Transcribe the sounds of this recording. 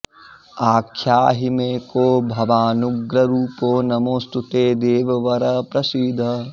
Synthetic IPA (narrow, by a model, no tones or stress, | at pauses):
aːkʰjaːɦɪmeːkoːbʱɐʋaːnʊɡɾɐɾuːpoːnɐmoːst̪ut̪eːd̪eːʋɐʋɐɾɐpɾɐsid̪ʱɐ